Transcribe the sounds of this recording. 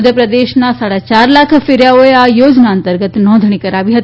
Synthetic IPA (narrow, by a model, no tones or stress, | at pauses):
d̪jəpɾəd̪eʃnasaːɽat͡ʃaːɾlakʰfɪɾjaoeajoːd͡ʒnaə̃nt̪əɾɡət̪nɔ̃nd̪ʱɽ̃ikəɾaʋiɦət̪i